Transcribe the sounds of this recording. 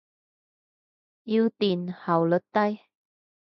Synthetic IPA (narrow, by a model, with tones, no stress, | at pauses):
ʔi˧˥wt̪i˨˩nha˨˩wlə˨˥t̚t̪a˥˧j